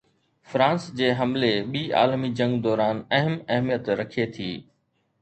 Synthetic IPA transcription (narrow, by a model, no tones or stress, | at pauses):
fɾãːnsd͡ʑeːɦɐmleɓiːa̰ːlmid͡ʑɐ̃ŋɡd̪ɔːɾaːnɐɦəmɐɦmijət̪ɾɐkʰiet̪ʰḭː